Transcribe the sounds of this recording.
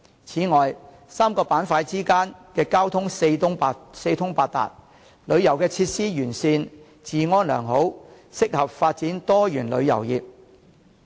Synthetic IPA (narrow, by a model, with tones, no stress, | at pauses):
t͡sʰiː˨˥ŋɔː˨j | saː˥mkɔː˧paː˨˥nfaː˧jt͡siː˥kaː˥nkɛː˧kaː˥wt̪ʰʊ˥ŋse˧ʊ˥ŋ˧se˧jt̪ʰʊ˥ŋpaː˧t̚t̪a̰ː˨t̚ | lɵ˨˧ɥjɐ˨˩wkɛː˧t͡sʰiː˧t̚siː˥jyː˨˩nsiː˧n | t͡siː˨ŋɔː˥nlœ̰ː˨˩ŋɦo˨˥w | sɪ˥k̚hɐ˨p̚faː˧t̚t͡siː˨˥nt̪ɔː˥jyː˨˩nlɵ̰˨˧ɥjɐ̰˨˩wjiː˨p̚